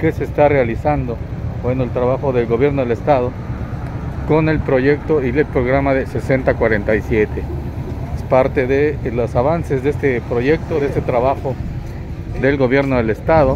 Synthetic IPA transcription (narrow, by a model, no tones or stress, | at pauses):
ke̞se̞ːst̪arealisand̪o̞bwe̞no̞elt̪ɾaβaxo̞ðe̞lɣo̞βje̞ɾno̞ðelest̪aðo | ko̞ne̞lpɾo̞ʝe̞k̚t̪oielpɾoɣ̞ɾamaðese̞se̞nt̪akwaɾe̞nt̪ajsjet̪ʰeespaɾt̪e̞ðelosaβanse̞zðest̪epɾo̞ʝe̞k̚t̪oðest̪et̪ɾaβaxo | d̪e̞lɣo̞βje̞ɾno̞ðe̞lest̪aðo̞